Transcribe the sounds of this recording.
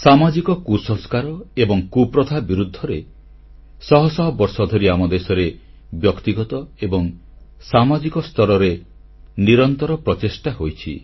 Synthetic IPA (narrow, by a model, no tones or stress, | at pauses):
samad͡ʒikɔkusɔskaɾɔebɔŋkupɾɔd̪ʱabiɾud̪ʱːɔɾe | sɔɦɔsɔɦɔbɔɾsɔd̪ʱɔɾiamɔd̪esɔɾe | bjɔkt̪iɡɔt̪ɔebɔŋ | samad͡ʒikɔst̪ɔɾɔɾe | niɾɔnt̪ɔɾɔpɾɔt͡ʃesʈaɦojt͡ʃʰḭ